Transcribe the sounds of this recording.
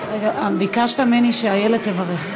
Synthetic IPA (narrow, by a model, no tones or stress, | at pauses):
ʁeɡabikaʃt̪ameniʃeajeled̚t̪evaʁeχ